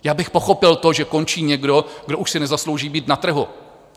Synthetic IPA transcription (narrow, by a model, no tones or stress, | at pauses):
jaːbɪxpoxo̞pɪlt̪o̞ʒɛko̞nt͡ʃiːɲɛɡdo̞ɡdoʔuʃsɪnɛzaslowʒiːbiːt̪nat̪r̩ɦu